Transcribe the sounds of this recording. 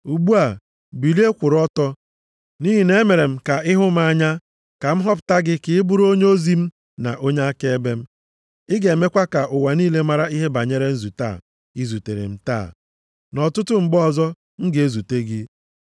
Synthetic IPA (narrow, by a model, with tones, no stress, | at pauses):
u˨ɡ͡bu˦a˨ | bi˨li˦e˦kʷʊ˨ɾɔ˦tɔ˦ | ni˦ɦi˨ne˦e˦me˨ɾe˨m̩˦ka˨ɪ˦ɦʊ˦m̩˦a˦ɲa˦ | ka˨m̩˦ɦɔ˦pʊ̥˨ta˦ɡɪ˦kɪ˨ɪ˦bʊ˦ɾo˦ɲe˦o˦zi˦m̩˦ | na̰˨ʔo˦ɲe˦a˦ke˦e˦be˦m̩˦ | ɪ˦ɡe˨me˦kʷa˦ka˨ʔʊ˨wa˨niː˦le˦ma˨ɾa˦i˦ɦe˦ba˨ɲe˦ɾe˦n̩˦zu˨ta̰ː˦˨ | i˦zu˨te˨ɾḛ˨m̩˦ta̰ː˦˨ | nɔ˨tʊ˦tʊ˦m̩˨ɡ͡bɔ˦˨zɔ˦ | ŋ̩˦ɡe˦zu˨te˦ɡɪ˦